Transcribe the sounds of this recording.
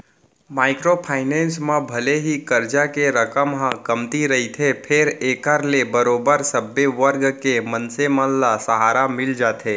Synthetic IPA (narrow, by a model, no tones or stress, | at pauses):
maːɪkɾopʰaːɪnẽːnsmãbʱɐleɦikɐɾd͡ʒakeɾəkəmɦãkɐmt̪iɾɐɦit̪ʰepʰɪɾeːkəɾlebəɾoːbəɾsəbːeʋəɾɡkemə̃nsemə̃llasəɦaːɾamɪld͡ʒaːt̪eː